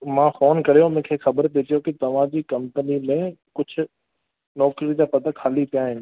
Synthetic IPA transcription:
mãːfoːnkɐɾijõmẽːkʰeːxɐbəɾpet̪ijokɪt̪ɐʋ̤ãd͡ʑiːkɐ̃mpənimẽkʊd͡ʑʱʊ̆ | nɔːkɾid͡ʑapɐt̪akʰaːlipijaɦɪnɪ̆

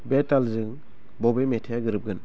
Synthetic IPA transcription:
betalzɯŋ | bɔbemetʰejaɡɯɾɯp̚ɡɯn

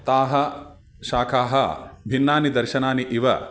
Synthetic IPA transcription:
t̪aːɦɐ | ʃaːkʰaːɦɐ̰bʱinːaːnid̪ɐɾʃɐnaːniʔiʋɐ̰

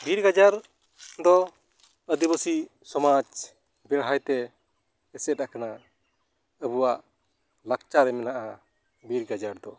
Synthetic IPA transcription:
biɾɡad͡ʒaɾ | d̪ɔ | əd̪ibəsisɔmad͡ʒ | bɛɽɦajt̪ɛː | sɛakana | əbuwaʔ | lak̚t͡ʃaɾɛmɛnaʔa | biɾɡad͡ʒaɾd̪ɔ

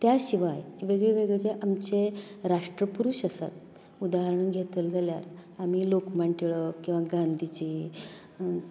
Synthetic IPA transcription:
t̪jaɕiʋajʋeɡɭeʋeɡɭet͡seʔamt͡seɾaʂʈɾəpuɾuɕəsa̰t̪̚ | ud̪aɦəɾɳunɡʱet̪əld͡zʱalja̰ɾamiːlokmaɳʈiɭəkĩw̃ʋaɡand̪ʱit͡ɕiː

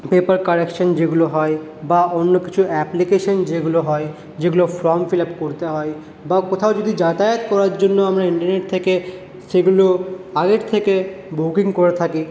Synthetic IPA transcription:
pepaɾkaɾekʃond͡ʑeɡuloɦɔe | baonːokit͡ɕʰuɛplikeʃond͡ʑeɡuloɦɔe | d͡ʑeɡulofɾɔmfilapkoɾt̪eɦɔe | bakot̪ʰaod͡ʑod̪ʱid͡ʑat̪ajot̪kɔɾaɾd͡ʑonːoamɾaiɳʈaɾneʈ̚t̪ʰeke | ʃeɡuloaɡeɾt̪ʰekebukiŋkoɾet̪ʰaki

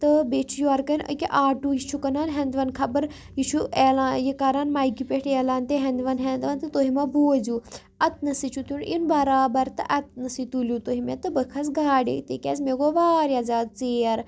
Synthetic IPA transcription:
t̪ɨbet͡ʃʰujuɐɾkɐnə̰kʲiʔaːʈujit͡ʃʰukɐnaːnɦend̪ʋɐnkʰɐbɐɾ | jit͡ʃʰueːlajikaːɾaːnmaːjɡipʲeʈeːlaːnt̪eɦɐnd̪ʋɐnɦend̪ʋɐnt̪ɨt̪oːɦimaboːzuː | ɐt̪nɐsit͡ʃʰut̪uninbɐɾaːbɐɾt̪ɨ̰ʔɐt̪̚nɐsit̪ulʲjut̪oɦimet̪ɨbəkʰɐs̬ɡaːɖḛt̪eːkʲḛːzmeɡoʋaːɾiazaːd̪̚t͡seːɐɾ

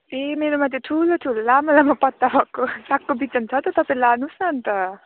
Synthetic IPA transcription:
emeɾomat̪jeʈʰuloʈʰulolamalamʌpʌt̪ːabʱʌkːosakːobit͡sʌnt͡sʰʌt̪ʌt̪ʌpãĩlanusnʌnt̪ʌ

